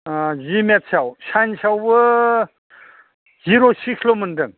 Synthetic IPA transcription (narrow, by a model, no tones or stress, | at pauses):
zimet̚sʰawɕansawbə | ziɾosiksʰloməndɯŋ